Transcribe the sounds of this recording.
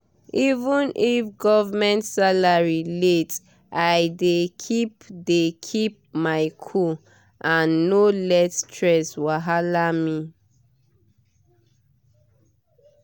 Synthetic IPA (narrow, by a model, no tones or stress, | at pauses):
ivũnʔifɡɔvmɛ̃ntsalaɹilet | ʔajdekʰipdekʰip̚maɪkʰu | ʔãnːolɛttʰɹɛswaɦalami